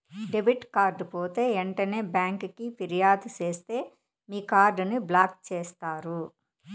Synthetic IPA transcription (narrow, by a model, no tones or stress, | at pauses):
ɖebiʈkaːɾɖpoːt̪e̞ːeɳʈɐne̞ːbjaːŋkkipiɾijaːd̪ut͡ʃeːst̪e̞ː | miːkaːɾɖniblaːk̚t͡ʃeːst̪aːɾu